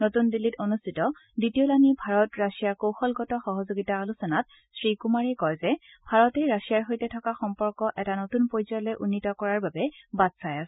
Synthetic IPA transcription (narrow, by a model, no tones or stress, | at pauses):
notundilːitonustitɔditiolanibʱaɹɔtɹasijaɹkowxɔlɡɔtɔxɔɦɔzoɡitaːlusɔnat̚ | sɹikumaɹɛkɔjzɛ | bʱaɹɔtɛɹasijaɹɦojtɛtʰɔkaxɔmpɔɹkɔʔɛtanotunpojzɔjlɔjʔunːitɔkɔɹaɹbabɛbadsajasɛ̥